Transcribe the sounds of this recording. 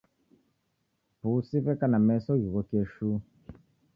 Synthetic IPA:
pusifɛkanamɛsɔjiɣɔkeʃu

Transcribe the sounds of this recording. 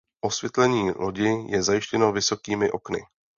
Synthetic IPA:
ʔo̞svjɛt̪lɛɲiːloɟɪjʔɛzajɪʃcɛno̞vɪso̞kiːmɪʔo̞knɪ̰

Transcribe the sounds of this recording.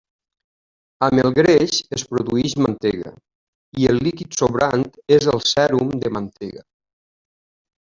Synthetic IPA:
əməlˠɣɾeʃespɾoðuiʃmant̪eɣə̰ | ielːikit̪soβɾant̪ezəlˠsɛɾumd̪əmant̪eɣə

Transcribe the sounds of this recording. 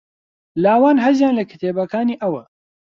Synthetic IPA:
laːwaːnɦɐzjaːnlɐkʰɨ̥t̪ʰeːbɐkʰaːniːʔɐwɐ

